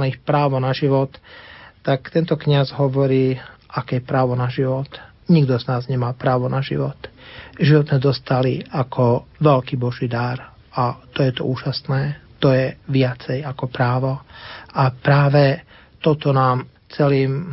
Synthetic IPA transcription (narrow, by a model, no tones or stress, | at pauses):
nixpɾaːʋɔnaʒiʋɔt̪ː | akt̪ɛnt̪ɔkɲazɦɔʋɔɾiːʔakɛjɛpɾaːʋɔnaʒiʋɔt̪ | ɲiɡd̪ɔznaːzɲɛmaːpɾaːʋɔnaʒḭʋɔt̪ʒiʋɔd̪zmɛd̪ɔst̪aliakʰɔʋɛlkiːbɔʒiːd̪aɾ | at̪ɔjɛt̪ɔ̰uːʒasnɛːt̪ɔjɛʋɪat͡sɛjakɔpɾaːʋɔapɾaːʋɛ | t̪ɔt̪ɔnaːm | t͡sɛliːm